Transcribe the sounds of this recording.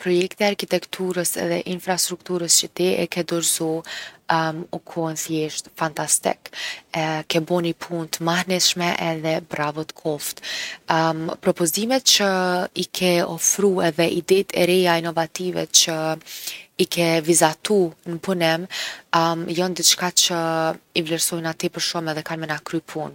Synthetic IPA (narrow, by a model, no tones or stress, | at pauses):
pɾɔjɛkt̪iaɾkit̪ɛkt̪ʰuɾəsɛ̰ðɛ̰ʔinfɾast̪ɾukt̪uɾəst͡ʃət̪ɛʔɛ̰kɛd̪ɔɾzɔ | mukʰɔnθjɛʃt̪fant̪ast̪ɛ̰kɛkɛbɔnipʰunt̪ʰəmahnɛʃmɛʔɛðɛbɾavɔt̪kʰɔft̪ | pɾɔpɔzimɛt̪̚t͡ʃəikʰɛɔfɾuɛðɛʔid̪ɛt̪ʰɛ̰ɾɛjainɔvat̪ivɛ̰t͡ʃə | ikɛvizat̪unəpunɛm | mjɔnd̪itt͡ʃkat͡ʃəivlɛɾsɔjnat̪ipəɾʃɔmɛðɛkanmɛnakɾypʰun